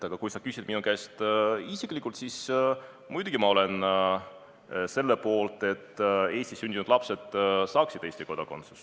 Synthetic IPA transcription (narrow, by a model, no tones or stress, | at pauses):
ɑɡ̥ɑkujsɑkysʲid̪̥minukæst̪isiklikːˑult̪sis | mujd̪uɡ̥imɑo̞le̞n | se̞lːepo̞ːlt̪ˑe̞t̪ːe̞ːsʲt̪isynʲd̪̥ʲinud̪̥lɑpse̞d̪sɑːksid̪̥e̞ːst̪i̥ko̞d̪̥ɑko̞nt̪su̥s